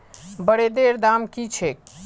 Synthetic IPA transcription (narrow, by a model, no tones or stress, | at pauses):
bəɽed̪eɾd̪amkit͡ʃʰek̚